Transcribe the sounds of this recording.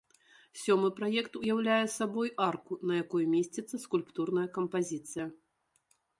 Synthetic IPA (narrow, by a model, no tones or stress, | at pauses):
sʲɔmɨpɾajɛkt̪ujawlʲajɛsabɔjarkunɐjakɔjmʲesʲt͡sʲit̪sːɐskulʲpt̪urnɐjɐkɐmpazʲit̪sɨjɐ